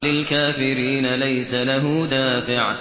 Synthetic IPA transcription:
lɪlkaːfɪɾiːnalajsalaɦʊd̪aːfɪʕ

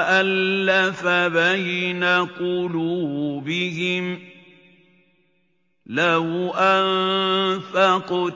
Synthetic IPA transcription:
ʔalːafabajɪnakʊluːbɪɦɪm | lahʊʔam | faq

